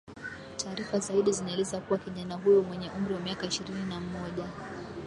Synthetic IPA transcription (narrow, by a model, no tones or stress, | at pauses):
tʰaːɾifazaiɗizinaɛlɛzakuwakiʄanaɦujɔmwɛɲɛʔum̩ɾiwamiakaiʃiɾininamɔʄa